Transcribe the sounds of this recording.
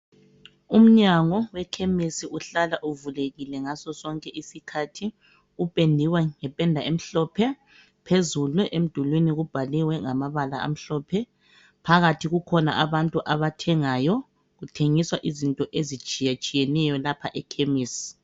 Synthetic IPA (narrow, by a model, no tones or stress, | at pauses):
um̩ɲaŋɔwɛkʰemisiʔuɬalaʔuvuleɣilɛŋasɔsɔŋkʼɛʔisikʰatʰi | upʼendʱiwɛŋɛpʼɛndʱaem̩ɬɔpʰɛ | pʰezuluʔem̩d̥ʱulwiniɣub̥ʱaliwɛŋamaβala̰a̰m̩ɬɔːpʰɛ | pʰaɣatʰiɣukʰɔna̰ʔaβantʼuʔaβatʰɛŋajɔ | ɣutʰeŋiswaʔizintʼɔʔezit͡ʃʼijat͡ʃʼijɛnɛjɔlapʰaʔɛkʰemiːsi̥